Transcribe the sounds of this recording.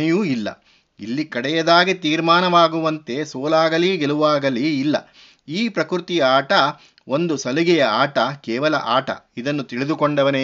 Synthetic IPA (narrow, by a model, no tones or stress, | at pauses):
juːilːɐ̰ | ḭlːikɐɽɛjɐd̪aːɡit̪iːɾmaːnɐʋaːɡuʋɐnt̪e̞soːlaːɡɐliɡeluʋaːɡɐliːlːɐ̰ | iːpɾɐkɾut̪ijɐaːʈɐ | ond̪usɐliɡɛjɐaːʈɐkɛːʋɐlɐ̰ʔaːʈɐ̰id̪ɐnːut̪iɭid̪ukoɳɖɐʋɐne